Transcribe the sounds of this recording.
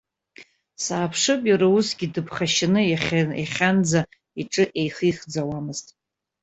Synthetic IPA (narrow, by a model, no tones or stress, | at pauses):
saːpʰʂɨpʼarausɡʲidɨpʰχaʃanɨjaχʲajaχʲand͡za | iʈ͡ʂʼɨʔe̞jχɨjχd͡zawamɨztʼ